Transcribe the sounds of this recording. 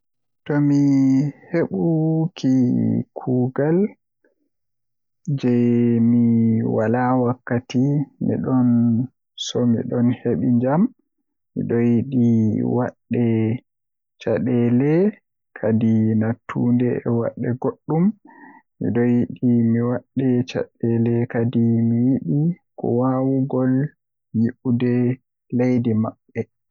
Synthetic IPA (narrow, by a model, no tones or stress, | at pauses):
tɔmiheɓukʰikʰuːɡal | d͡ʒɛmiwalawakːatimḭɗɔn | sɔmḭɗɔnheɓḭɲd͡ʒamː | ḭɗɔjiɗiwa̰ɗːɛ | t͡ʃaɗɛlɛ | kʰadinatʰːṵndɛɛwa̰ɗːɛɡoɗːummḭɗɔjiɗimiwaɗːɛt͡ʃa̰ɗɛlɛkadimijiɗikɔ̰wawuɡɔl | jiʔudɛ | lejdimaɓːɛ